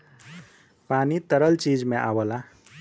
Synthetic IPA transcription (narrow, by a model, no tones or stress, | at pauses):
panit̪əɾəlt͡ʃid͡ʒmeʔa̰bəla